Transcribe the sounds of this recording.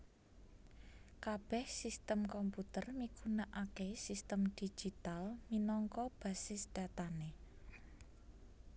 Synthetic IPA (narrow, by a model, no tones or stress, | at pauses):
kab̥ɛ̤hsist̪əmkɔmput̪ərmikunaʔakesist̪əmd̥i̥d͡ʒ̥it̪alminɔŋkɔb̥a̤sɪsd̥a̤t̪ane